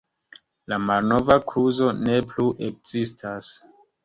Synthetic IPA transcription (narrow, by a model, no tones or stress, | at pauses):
lamalno̞vakʰuzo̞ne̞pluʔe̞k̚z̥istʰas